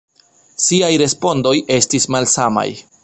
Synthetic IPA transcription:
siajɾe̞spo̞ndo̞je̞stismalsama̰j

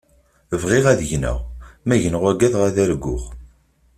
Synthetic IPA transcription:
əvʁiʁæðəʝnə̰ʁmæʝənəʁæɡæðʁæðæɾɡːʊ̰ʁ

